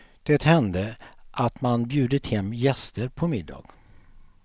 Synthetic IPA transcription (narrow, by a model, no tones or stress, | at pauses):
d̪̥ɛt̪hɛnd̪əʔat̪manbjʉ̟ːd̪ət̪hɛmːjɛst̪əɾpʰɔmɪd̪ːɑ̰ːɡ̥